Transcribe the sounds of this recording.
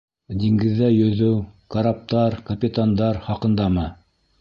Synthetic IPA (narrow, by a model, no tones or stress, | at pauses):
d̪iŋɡɘ̆ðːæjɵ̆ðɘwkɐɾap̚t̪ɑɾkɐpʲit̪and̪ɑɾχɑqɤ̆nd̪ɑmɤ